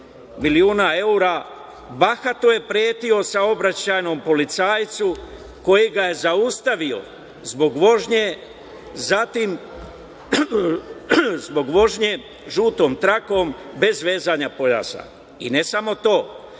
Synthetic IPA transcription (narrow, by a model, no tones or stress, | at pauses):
miliuːnae̞uɾa | baxat̪oje̞pɾjeːt̪io̞sao̞bɾat͡ɕaːjno̞mpo̞lit̪saːjt̪su | ko̞jiɡaje̞zaust̪aʋio̞̰ | zbo̞ɡʋoʒɲe | zat̪im | zbo̞ɡʋo̞ʒɲe | ʒuːt̪o̞ːmt̪ɾako̞mbe̞zʋe̞ːzaɲapo̞ʎa̰ːsa̰ | ine̞samot̪o̞ː